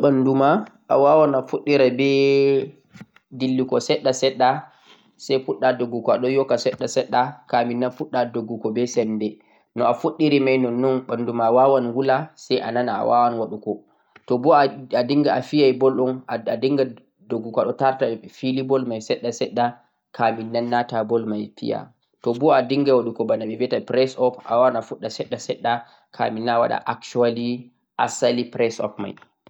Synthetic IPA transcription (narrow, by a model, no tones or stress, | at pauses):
ɓandumaʔa̰wawanafuɗːiɾabɛ | dilːikɔsɛɗːasɛɗːa | sɛjfuɗːadoɡukɔaɗɔjɔkːasɛɗːasɛɗːakaminːanfuɗːadoɡːukɔbɛsɛnːdɛ | nɔafuɗːiɾimajnɔnːɔnɓandumaːwawanwulasɛjʔa̰nanaa̰wawanwaɗukɔ | tɔbɔadiŋɡaafijajbɔlɗɔnaadiŋɡa | doɡukaɗɔtaɾtafilibɔlmajsɛɗːasɛɗːa | kʰaminːanːatabɔlmajpḭja̰ | tɔbɔadiŋɡawaɗukɔbanaɓɛviatapɾɛsɔpa̰wawanafuɗːasɛɗːasɛɗːa | kʰa̰minːawa̰ɗa̰ʔakt͡ʃuali | ʔasalipɾɛsɔ̰pma̰j